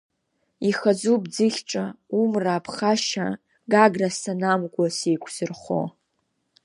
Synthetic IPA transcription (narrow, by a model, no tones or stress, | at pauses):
iχad͡zubd͡zɨχʲʈ͡ʂʼaumraːpʰχaʃa̰ | ɡaɡrasʰanamɡʷʼasejkʷʰz̥ɨrχo̰